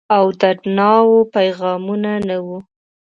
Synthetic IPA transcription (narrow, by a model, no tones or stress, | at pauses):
awd̪aʈnɑwopajɣɑmunanawu